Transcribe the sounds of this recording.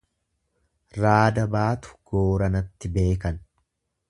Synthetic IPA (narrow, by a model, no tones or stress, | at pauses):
ɾaːd̪ɐbaːt̪ʊ̥ɡ̥oːɾɐnɐt̪ːɪbe̞ːkɐn